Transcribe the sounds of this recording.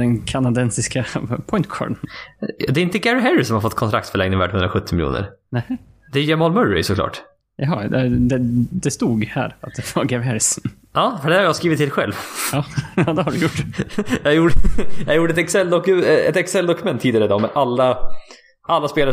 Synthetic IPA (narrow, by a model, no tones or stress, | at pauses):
d̪ɛnkʰanad̪ɛnsɪskapʰɔɪnt̪kʰɔ̰ːɾɖ | d̪ɛɾɪnt̪əɡæɾɪɦɛɾɪsɔmhaɾfɔt̪ːkʰɔnt̪ɾakt̪fœɭɛŋnɪŋvæ̰ːɖhɵnɾaɧɵt̪ʰːɪmɪljṵːnə̰ɾnɛd̪ɛjɛmɔlmɵɾɪ̰sɔkʰlɑ̰ːʈ | jɑɦɑ̰d̪ɛd̪ɛd̪ɛst̪uːɡhæ̰ːɾat̪̚d̪ɛv̥aɡɛɾɪhɛɾɪs | ʔɑːfœɖɛæɾhaɾjɑhaɾskɾiːvɪt̪ʰːɪlɧɛ̰lvjɑːjɑːd̪ɛɦaɖɵjʊʈːjɑhaɾjuʈjɑhajuːʈːɛt̪ɛksɛld̪ɔkɛ̰t̪ɛksɛld̪ɔkɵmɛnt̪ʰːiːd̪ɪaɾəd̪ɔmɛʔalːa | ʔalːaspeːla